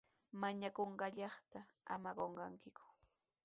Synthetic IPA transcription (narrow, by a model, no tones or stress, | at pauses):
maɲakoɴɢɑʎɑχt̪aa̰maɢoɴɢɑŋkɪkʊ̥